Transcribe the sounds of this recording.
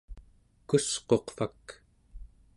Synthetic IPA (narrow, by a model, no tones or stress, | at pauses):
kusqo̞qfak